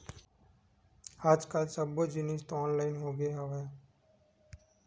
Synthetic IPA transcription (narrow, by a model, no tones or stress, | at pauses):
haːd͡ʒkaːlsəbod͡ʒɪniːst̪oɔːnlaːɪnɦoːɡəeɦɐʋe